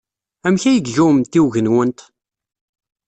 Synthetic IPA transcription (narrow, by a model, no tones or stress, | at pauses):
æmçæjəɡʝumt̪iwʝənwənt̪